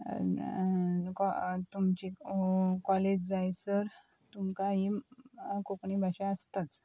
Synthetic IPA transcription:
kɔt̪umt͡ɕi | kɔled͡ʑd͡zajsəɾ | t̪umkaɦi | kopɳibʱaɕaəst̪at͡s

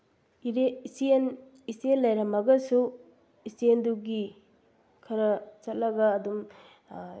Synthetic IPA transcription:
iɾeisien | isienlɐjɾɐmɐɡɐsu | isienduɡi | kʰɐɾɐt͡ʃɐt̚lɐɡɐːdum

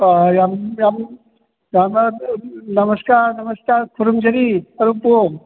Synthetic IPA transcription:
jamjam | jam | nɐməskaːɾnɐməskaːɾkʰuɾumd͡ʒɐɾiɐɾupo

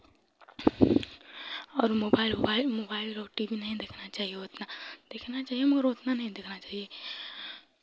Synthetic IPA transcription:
ɔːɾmobailbalmobailɾoʈiʋinaɦĩd̪ekʰnat͡ʃaɦijeɦot̪nad̪̥ekʰnat͡ʃaːɦijeməɡəɾɦot̪nanaɦĩd̪ekʰnat͡ʃaɦije

